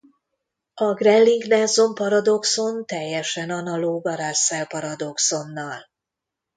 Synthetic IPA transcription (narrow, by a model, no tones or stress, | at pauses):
ɒɡrɛlːiŋɡnɛzo̞mpɒɾɒd̪o̞kso̞nt̪ɛjːɛʃɛnɒnɒloːɡɒɾasɛlpɒɾɒd̪o̞kso̞nːɒl